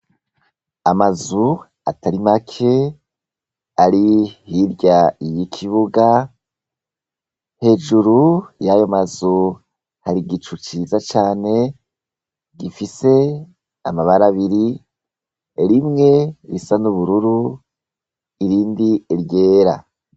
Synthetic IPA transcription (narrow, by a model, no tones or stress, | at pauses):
amazu | a̰taɾimakʰe̞ | aɾihiɾɟaijikʰiβuɡa | he̞ːʒuɾujajomazu | haɾiɡit͡ʃut͡ʃizat͡ʃaːne̞ | ɡifise̞ | a̰maβaɾaβiɾi | ɾimŋe̞ɾisanuβuɾuɾu | iɾiːndieɾje̞ːɾa̰